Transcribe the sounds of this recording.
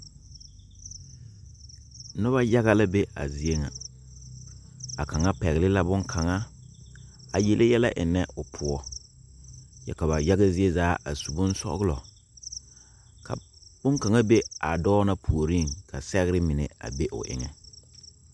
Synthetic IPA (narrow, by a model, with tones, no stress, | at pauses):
nʊ˦βa˦ja˦ɣa˦la˦be˦a̰˨zi˨e˦ŋa̰˨ | a̰˨ka˨ŋa˦pɛ˨ɣɪ˨lɪ˦la˦bʊ˦ŋkʰa˨ŋa˦ | a˨jɛ˨lʔe˦jɛ˦la˦ʔɪ˨nɛ˦ʊ˨pʰʊ˨ɔ˨ | jɛ̰˨ka˨ba˨ja˦ɣa˦zɪ˦e˦zaː˨˦ʔa˨su˨bʊ˦n˦sɔ̰˦ɣʊ˦lɔ˨ | kʰa̰˨bʊ˦ŋka˨ŋa˦be˦a˨dɔː˦na˦pʰu˨o˨ɾi˦˨ŋkʰa˨sɛ˦ɣɾɪ˦mɪ˨nɛ̰˨a̰˨be˦ʔʊ̰˨ʔɪ̰˨ŋɛ˨